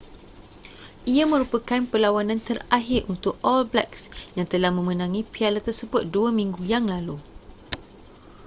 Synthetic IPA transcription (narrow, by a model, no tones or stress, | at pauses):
ʔiamə̃ɾupakanpəlawanãnt̪əraɦɪrʔunt̪ʊkɔlblɛ̰ksjaŋt̪əlahmə̃mə̃nãŋĩpialət̪ːərsəbʊt̪̚duamĩŋɡujaŋlalu